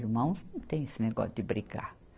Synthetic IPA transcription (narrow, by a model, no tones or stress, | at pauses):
iɾmɐ̃w̃st̪ẽj̃esɪneɡɔ̰sʊd̪ɪbɾiɡa̰ɾ